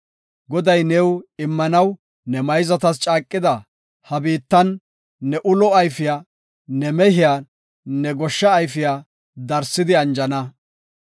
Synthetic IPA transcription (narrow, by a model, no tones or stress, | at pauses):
ɡɔd̪ɐjnɛːwɪmːɐnɐw | nɛmɐjzɐt̪ɐst͡ʃʼaːkʼːɪd̪ɐ | hɐbiːt̪ːɐnː | ɛʔʊlɔɐjfɪjaː | nɛmɛɦɪja | nɛɡɔʃːɐːjfɪjaː | d̪ɐɾsɪd̪ɪɐnd͡ʒɐnɐ